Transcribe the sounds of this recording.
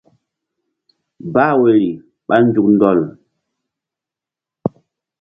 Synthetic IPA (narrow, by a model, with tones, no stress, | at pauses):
baː˦˨we˨ɾi˨ | ɓa˦n˦d͡ʒu˨k̚ndɔ˦˨l